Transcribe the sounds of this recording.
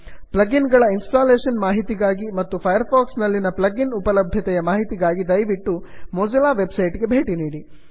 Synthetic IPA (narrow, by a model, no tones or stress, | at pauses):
plɐɡinɡɐɭɐinsʈaːleːʂɐnmaːɦit̪iɡaːɡimɐt̪ːupʰɐjɐɾpʰaːksnɐlːinɐplɐɡinupɐlɐbʱjɐt̪ɛjɐmaːɦit̪iɡaːɡid̪ɐjʋiʈːumɔd͡ʒɐlaːʋe̞bsɐjʈɡe̞bʱe̞ːʈiniːɽi